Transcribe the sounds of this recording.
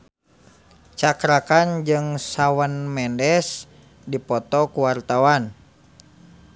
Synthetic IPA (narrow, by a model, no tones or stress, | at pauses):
t͡ʃakɾakand͡ʒɨŋsawanmɛndɛs | dipɔt̪ɔkuwart̪awan